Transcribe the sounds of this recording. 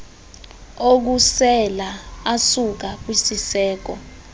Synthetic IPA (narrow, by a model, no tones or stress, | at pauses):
ok̬usɛlaasuk̬ak̬wisisɛːk̬ɔ